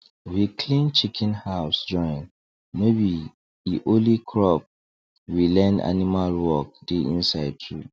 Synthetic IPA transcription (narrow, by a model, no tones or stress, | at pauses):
wikʰlĩnt͡ʃʰikʰɛ̃nhaʊsd͡ʒɔ̃ɪ̃n | mebi | iʔolikʰɹɔp̚ | wilɛ̃nda̰nimalwɔk̚deʔĩnsaɪd̚tʰɹṵ